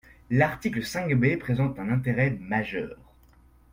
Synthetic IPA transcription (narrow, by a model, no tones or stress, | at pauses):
laʁt̪ikləsɛ̃kbepχezɑ̃t̪ɛ̃nɛ̃t̪eʁɛmaʒœ̰ːʁ